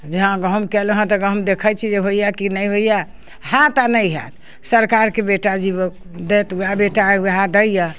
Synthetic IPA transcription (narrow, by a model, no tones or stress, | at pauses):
d͡ʒeɦãɡəɦmkɛləɦãt̪ɔɡə̃ɦmd̪ekʰəjt͡ʃʰid͡ʒeɦoijakinəjɦoja | ɦãt̪anəjɦa̰t̪ | səɾkaɾkebeʈad͡ʒibə | d̪et̪uabeʈawəɦad̪əjja